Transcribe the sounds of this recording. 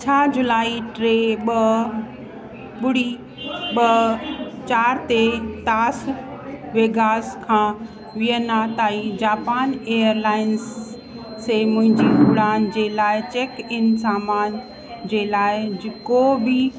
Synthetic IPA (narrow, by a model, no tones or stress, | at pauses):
t͡ɕʰaːd͡ʑʊlaːiʈɾeːɓɐ | ɓʊɽi | ɓɐ | t͡ɕaːɾt̪et̪aːs | ʋeːɡaːskʰãː | ʋiənaːt̪aːid͡ʑaːpaːneːəɾlaːɪnsː | emʊ̃ɦɪ̃ɲd͡ʑiʔʊɽaːnd͡ʑeːlaːɪt͡ɕeːkɪnsaːmaːn | d͡ʑeːlaːɪd͡ʑekobɪ